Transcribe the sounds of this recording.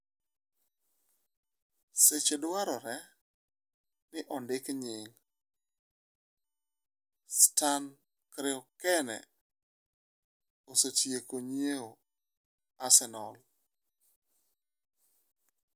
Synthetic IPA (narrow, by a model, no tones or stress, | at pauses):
set͡ʃedwaɾɔɾɛ | nɪʔɔndɪkɲɪŋ | stan | kɾɪɔkɛnɛ̰ | osotjekoɲieo | asɛnɔl